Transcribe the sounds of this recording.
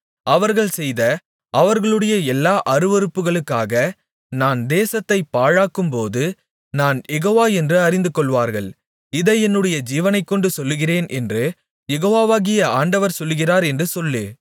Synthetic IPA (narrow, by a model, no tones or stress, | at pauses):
ɐʋɐɾɣɐɭsɛjðɐ | ʔɐʋɐɾɣɐɭɯɽɐjɐɛlːaːʔɐɾɯʋɔɾɯpːɯɣɐɭɯkːaːɣɐ | naːnd̪eːsɐt̪ːɐɪpːaːɻaːkːɯmpoːðɯ | naːnjɛɣoːʋaːɛndrɯɐɾɪnd̪ɯkːɔɭʋaːɾɣɐɭ | ɪðɐɛnːɯɽɐjɐd͡ʒiːʋɐnɐɪkːɔɳɖɯsɔlːɯɣɪreːnʔɛndrɯ | jɛɣoːʋaːʋaːɣɪjɐaːɳɖɐʋɐɾsɔlːɯɣɪraːɾɛndrɯsɔlːeː